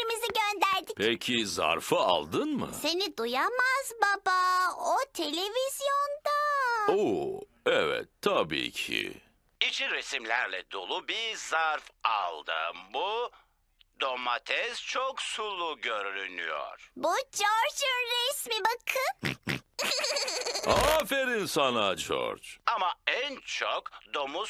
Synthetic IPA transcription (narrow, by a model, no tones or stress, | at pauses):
imiziɟønd̪æɾd̪icpʰecʰiza̰ɾfaalˠd̪ɯnmɯ̰se̞nid̪ujamazbabaot̪ʰe̞lʲe̞viz̥jond̪ao | ɛvɛ̰t̪ʰːabḭːcʰḭ | it͡ʃʰiɾesimlʲæɾlʲɛd̪olˠubiɾzaɾfalˠd̪ɯ̰mbu | d̪omat̪ʰɛzt͡ʃʰoksulˠuɟøɾyɾyny̰jo̰ɾ̥bud͡ʒoɾd͡ʒɯnɾɛsmibakʰɯ | afɛɾinsanad͡ʒo̰ɾd͡ʒamaænt͡ʃʰokd̪o̞mu